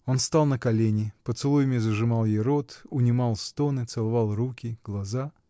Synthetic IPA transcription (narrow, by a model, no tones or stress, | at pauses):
o̞nst̪ɑlˠnəkɐlʲenʲɪpət̪sɨlˠujɪmʲɪzəʐɨmɑlˠjejɾot̪ʊnʲɪmɑlˠst̪onɨt̪sɨlˠɐvɑlˠrukʲɪɡlˠɐza